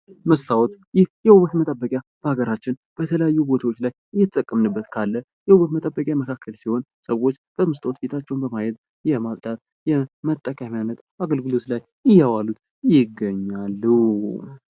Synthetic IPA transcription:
məst̪ʰawɔt̪jɪhjɛhuβət̪mət̪ʼəbːəkʼjab̥əhaɡəɾat͡ʃːɪnb̥ət̪ʰələjajːubo̞t̪ʰawot͡ʃːlajʔɨjːɛt̪ʰə̥t̪ʼəkʼːəmnɨbːət̪kʰalːə | jɛhuβət̪mət̪ʼəbːəkʼjaməkʰakːəlsiho̞nsəwot͡ʃːb̥əməst̪ʰawot̪bet̪ʰat͡ʃːɛwnbəmajɛd̪ | jɛmalt̪ʼat̪ | jɛmət̪ʼːəkʼamjanːət̪ | aɡəlɡɨlo̞t̪laj | ɨjːawalut̪ | jɪɡːəɲːalːu

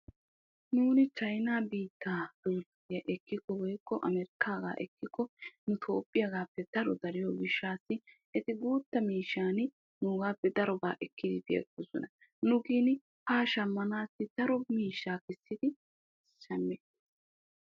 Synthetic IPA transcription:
nuːnɪt͡ʃɐjnaːbiːt̪ːaːd̪̥ɔlɡʊɪjɐʔɛkːɪkːɔwɔjkːɔʔɐmɛɾɪkːaːɡa̰ːʔɛkːɪkːɔnʊt̪ʰo̞ːpʼːɪjɐɡaːpːɛd̪̥ɐɾɔd̪ɐɾɪjɔɡɪʃːaːsːɪ | ɛt̪ɪɡuːt̪ːɐmiːʃːaːn | nʊːɡaːpːɛd̪ɐɾɔba̰ːʔɛkːɪd̪ɪt̪ɪɛ̰kːɔsɔnɐ | nʊɡiːnɪ | haːʃɐmːɐnaːsːɪt̪ɐɾɔmiːʃːaːkɪsːɪd̪ɪ | ʃɐmːeːt̪ː

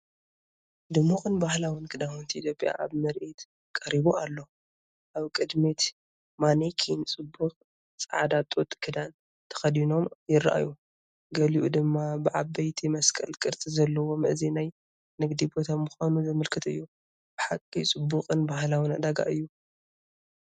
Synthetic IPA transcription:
d̪ɨmːukʼɨnbahlawinkʰɨd̪ahunt̪ʰiʔit̪ʰjo̞pʼja̰ʔaβmɐɾʔit̪ | kʼɐɾiβualːo̞ | ʔaβkʼɨd̪mit̪ | manikʰint͡sʼɨbːuxʼ | t͡sʼaʕd̪at̪ʼot̪ʼkʰɨd̪an | t̪ʰɐ̥xɐd̪ino̞mjɪrːa̰ʔa̰ju | ɡɐliʔud̪ɨmːabɨʕabɐjt̪ʰimɐskʼɐ̰lkʼɨɾt̪ʼizɐlːɐwo̞mɨʔzinaj | nɨɡd̪ibot̪ʰamːuxanuzɨmɨlkʰɨt̪ɨ̰jːu | b̥ɨħakʼːit͡sʼɨbːukʼɨnbahlawinad̪aɡa̰ʔɨjːu

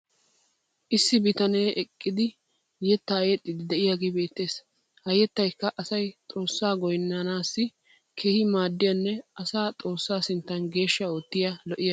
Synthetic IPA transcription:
ʔɪsːɪbɪt̪ɐne̞ːʔɛkʼːɪd̪ɪ | jɛt̪ːɐɐjɛt̪ʼːɪd̪ɪd̪ɛʔɪjaːɡeːbe̞ːt̪ːe̞ːs | hɐjɛt̪ːɐjkːɐʔɐsɐjt̪ʼo̞ːsːaːɡɔjnːanaːsːɪ | kʰeːhɪmaːd̪ːɪjɐnːɛʔɐsaːt̪ʼo̞ːsːaːsɪnt̪ːɐnɡe̞ːʃːɐoːt̪ːɪjɐlɔʔɪjɐ

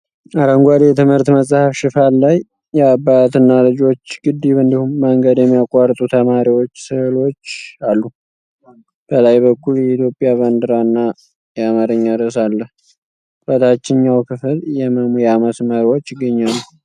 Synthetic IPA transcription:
aɾəŋɡʷad̪jɛt̪ʰɨmhɨɾt̪məsʼahəfʃɪfalːaj | jɛabːat̪ɨnːalɨd͡ʒo̞t͡ʃːɡɨd̪ːiβɨnd̪ihumːəŋɡəd̪jɛmːijakʼːaɾt̪ʼut̪ʰəmaɾiwot͡ʃːsɨhɨlo̞t͡ʃːalːu | b̥əlajbəkʰːuljɛit̪ʰjo̞pʼːjaβənd̪ɨɾanːa | jɛamaɾəɲːaɾəs̬alːəh | bət̪ʰat͡ʃːɪɲːawkʰɨfɨljɛməmjɛaməsməɾwo̞t͡ʃːɪɡːəɲːalːu

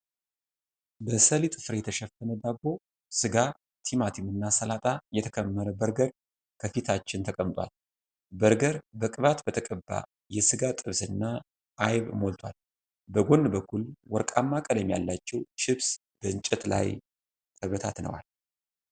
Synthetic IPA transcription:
bəsəlit̪ʼɨfɨɾjɛt̪ʰəʃɛfːənəd̪abːo̞ | sɨɡa | t̪ʰimat̪ʰimɨnːasəlat̪ʼajɛt̪ʰəkʰəmːəɾəbəɾɡəɾ | kʰəfit̪ʰat͡ʃːɪnt̪ʰəkʼəmt̪ʼwa̰l | bəɾɡəɾbəkʼɨβat̪bət̪ʰəkʼəbːa̰ | jɛsɨɡat̪ʼɨβsɨnːa | ʔːjβmo̞lt̪ʰwa̰l | bəɡo̞nːbəkʰːulwɔɾkʼamːakʼəlɛmja̰lːat͡ʃːɛwt͡ʃɪβs | b̥əɨnt͡ʃʼɛt̪la̰j | t̪ʰʼəβət̪ʰa̰t̪nə̰wa̰l

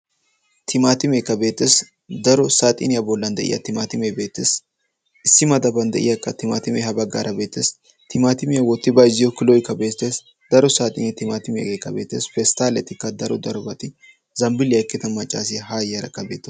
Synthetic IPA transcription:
t̪ʰɪmaːt̪ɪmeːkːɐbe̞ːt̪ːeːs | d̪ɐɾɔsaːt̪ʼɪ̰nɪjɐbɔlːɐnd̪ɛ̰ʔɪ̰jɐ̰t̪ɪmaːt̪ɪmebe̞ːt̪ːeːs | ɪsːɪmɐd̪ɐbɐnd̪ɛ̰ʔɪjɐkʼːɐt̪ɪma̰ːt̪ɪmɛhɐbɐɡːa̰ːɾʔɐbe̞ːt̪ːeːs | t̪ɪmaːt̪ɪmɪjɐwɔt̪ːɪbɐjzɪjɔkɪlɔjɪkːɐbeːt̪ːeːs | d̪̥ɐɾɔsaːt̪ʼɪ̰nɛt̪ɪmaːt̪ɪmḛɡeːkːɐbeːt̪ːeːsfɛst̪aːlɛt̪ːɪkːɐd̪ɐɾɔd̪ɐɾɔbɐt̪ɪ | zɐmbɪlɪjɐkːɪt̪ɐmɐt͡ʃʼːa̰ːsɪjɐhaːjɐɾɐ̰kːɐbḛːt̪ːe

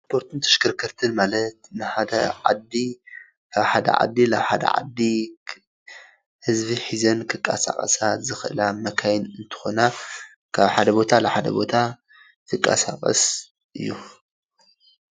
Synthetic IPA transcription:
spʰo̞ɾt̪ʰunt̪ʰɐ̥ʃkʰɨɾkʰɐɾt̪ʰɨnmalɐt̪̚nɨħad̪ɐ̰ʕad̪i | kʰaβħad̪ɐ̰ʕa̰d̪ːilaβħad̪ɐ̰ʕa̰d̪ːi | hɨzbiħizɐnkʰɨkʼːa̰sa̰χʼɐ̰sat̪zɨxɨʔɨ̰lamɐkʰajnɨnt̪ʰɨ̥xo̞na | kʰaβħad̪ɐbo̞t̪ʰalɐħad̪ɐ̰bo̞t̪ʰa | kʰɨkʼːa̰sakʼɐ̰s | ʔɨjːu

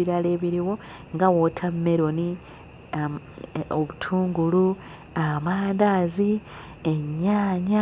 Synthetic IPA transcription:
iɾale̞ːβiɾiwo̞ŋɡawo̞tʰamːe̞ɾoni | oβutʰuːŋɡulu | amaːndaːzi | eɲːaːɲa

